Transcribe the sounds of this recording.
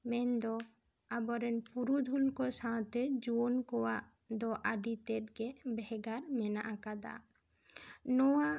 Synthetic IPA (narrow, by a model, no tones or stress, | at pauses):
mɛnd̪ɔ | abɔɾɛnpuɾud̪ʱulkɔsãw̃t̪ɛd͡ʒuɔnkɔwaʔ | d̪ɔʔaɖit̪ɛt̪̚ɡɛbɛɡaɾmɛnaʔakad̪a̰ | nɔwa